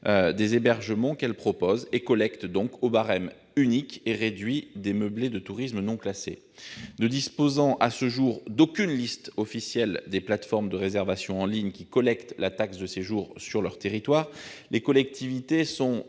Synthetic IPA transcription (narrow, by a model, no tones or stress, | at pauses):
ød̪ezebɛʁʒəmɑ̃kɛlpχɔpozekɔlɛkt̪d̪ɔ̃kobaʁɛm | ynikeʁed̪ɥid̪eməbled̪ət̪uʁismnɔ̃klasḛ | nəd̪ispozɑ̃ʔasəʒuʁd̪okʲynlist̪ɔfisjɛld̪eplat̪fɔʁmd̪əʁezɛʁvasjɔ̃ɑ̃liɲkʲikɔlɛkt̪lat̪aksd̪əseʒuʁsyʁlœʁt̪eʁit̪waʁlekɔlɛk̚t̪ivit̪esɔ̃